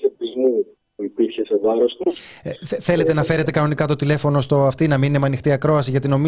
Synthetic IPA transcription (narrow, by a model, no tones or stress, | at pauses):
ept̪izmu | puipiɾçe̞se̞vɐɾo̞st̪u | θe̞le̞t̪e̞nɐfe̞ɾe̞t̪e̞kɐno̞nikɐt̪o̞t̪ile̞fo̞no̞st̪o̞ɐft̪inɐmininemɐnixt̪iɐkɾo̞ɐsiʝɐt̪ino̞mi